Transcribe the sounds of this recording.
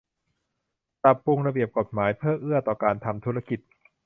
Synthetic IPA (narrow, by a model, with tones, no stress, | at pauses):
t̪a˨˩pːu˧ŋɾa˧bi˨˩əp̚ko˨˩t̪̚maː˩˦jpʰɯɤː˥˩ʔɯ˥˩ɐt̪ɔː˨˩kaː˧nt̪ʰa˧mt̪ʰuː˦˥ɾa˧ki˨˩t̪̚